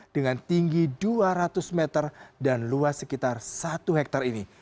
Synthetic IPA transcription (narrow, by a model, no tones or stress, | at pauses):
d̥əŋant̪iŋɡiduaɾat̪ʊsmɛt̪ərdanluasəkit̪arsat̪uɦɛk̚t̪arini